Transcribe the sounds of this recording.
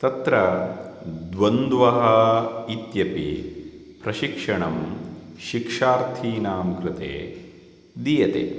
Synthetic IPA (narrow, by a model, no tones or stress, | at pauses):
t̪ɐt̪ɾɐ | d̪ʋɐnd̪ʋɐɦɐit̪jɐpḭ | pɾɐʃikʂɐɳɐmʃikʂaːɾt̪ʰiːnaːmkɾɪt̪ḛː | d̪ijɐt̪ḛː